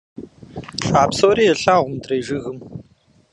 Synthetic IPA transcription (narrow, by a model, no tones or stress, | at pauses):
ɬʼaːpsoːɾiːjɛɬaːʁʷʊmdreːʒɨɣɨm